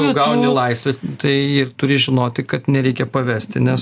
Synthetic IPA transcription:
ʊɡɐʊnʲɪlˠɐɪsʲʋʲɪt̪ɐɪɪrt̪ʊɾʲɪʒʲɪnoːt̪ʲɪkɐt̪nʲɛɾʲɛɪkʲɛpɐʋʲæːsʲt̪ʲɪnʲɛs

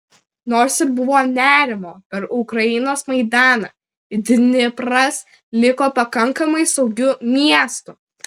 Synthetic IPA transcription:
noːɾsɪɾbʊʋoːnʲæːɾʲɪmoːpʲɛɾʊkɾɐjɪnoːsmɐɪd̪ɑːnɐː | ɪd̪ʲɪnʲɪpɾɐs | lʲɪkoːpɐkɐŋkɐmɐɪsɒʊɡʲʊmʲiɛst̪ʊ

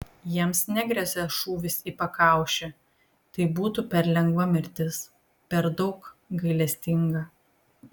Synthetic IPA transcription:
jiɛmsnʲɛɡɾʲɛsʲɛʃuːʋʲɪsiːpɐkɑˑʊʃʲɛ | t̪ɐɪbuːt̪upʲɛɾlʲɛŋɡʋɐmʲɪɾʲt̪ʲɪs | pʲɛɾd̪ɒʊkɡɐɪlʲɛsʲt̪ʲɪŋɡɐ

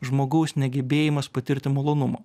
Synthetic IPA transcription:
ʒmoːɡɐʊsnʲɛɡʲɛbʲeːjɪmɐspɐt̪ʲɪɾʲt̪ʲɪmɐlˠoːnʊmɐ̰ː

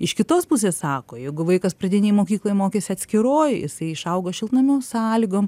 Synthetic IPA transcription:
ɪʃkʲɪt̪oːspusʲeːssɑːkoːjɛɪɡʊʋɐɪkɐspɾɐd̪ʲɪnʲeːjmoːkʲiːklˠoːjmoːkʲeːsʲɪɐt̪ʲsʲkʲɪɾoːjjɪ̰sɐɪɪʃɐʊɡoːʃʲɪlˠt̪nɐmʲoːsɑːlʲɪɡoːm

